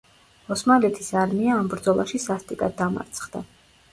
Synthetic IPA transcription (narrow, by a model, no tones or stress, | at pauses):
ɔsmalɛt̪ʰisaɾmiaːmbɾd̪zɔlˠa̰ʃisast̪ʼikʼad̪ːama̰ɾt̪sʰχd̪̥a̰